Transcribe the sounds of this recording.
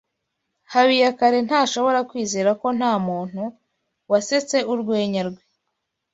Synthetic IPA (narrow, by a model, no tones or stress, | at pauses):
haβijakaɾe̞n̥haːʃo̞βo̞ɾakwiːze̞ːɾako̞n̥haːmuːn̥hu | wase̞t͡se̞uɾɡwe̞ːɲaɾɡwe